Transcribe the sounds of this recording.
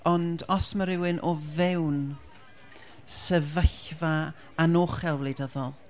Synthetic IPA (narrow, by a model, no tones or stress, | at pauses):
ɔndɔsməɾɪwɨnʔɔvɛwn | səvəɬva | anoːχɛlˠwlˠejdəðɔlˠ